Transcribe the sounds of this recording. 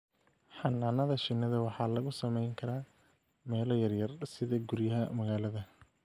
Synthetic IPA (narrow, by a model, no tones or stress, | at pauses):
ħɑnːaːnɐðɐʃɪnːɐðɐwɑħɑːlɐɣʊsɐmɛjŋkʰɐɾaː | mɛːlɔjɐrjɐrsɪðɐɡʊɾjɐɦɐmɐɣaːlɐðɐ